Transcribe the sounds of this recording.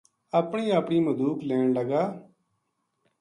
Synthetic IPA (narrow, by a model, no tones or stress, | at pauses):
əpɳiːəpɳiːməd̪uːklɛːɳləɡaː